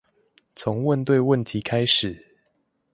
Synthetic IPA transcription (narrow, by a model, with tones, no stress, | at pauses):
t͡sʰo˨˦ŋwə˥˨˧nt̪we˥˧ɪwə˥˨nt̪ʰi˨˦kʰa˦ɪʂɻ̩˨˩